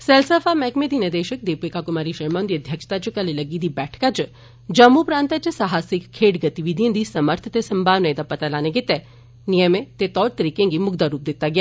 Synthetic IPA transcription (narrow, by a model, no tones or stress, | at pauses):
sɛlsəfamɛːkmẽd̪ined̪eːʃək̚d̪eːpeːkakʊmaːɾiʃɐɾmãnd̪iəd̪ʱjəkʃt̪at͡ʃkɐlelɐɡiːd̪ibɛːʈʰkat͡ʃ | d͡ʒɐmːupɾãːnt̪at͡ʃəsaɦaːsɪkkʰːeːʈɡɐt̪iʋid̪ʱijẽnd̪isɐməɾt̪ʰət̪esɐmbʱaːʋnəed̪apɐt̪alaːneɡɪt̪e | nijəmẽt̪et̪ɔːɾt̪əɾiːkẽŋɡimʊɡd̪aɾuːp̚d̪ɪt̪ːaɡjaː